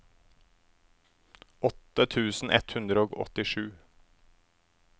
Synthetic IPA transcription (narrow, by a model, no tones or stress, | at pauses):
ʔɔt̪ət̪ʰʉːsn̩ʔɛ̰t̪hʉnd̪ɾəoːɡɔ̰t̪ɪʃʉː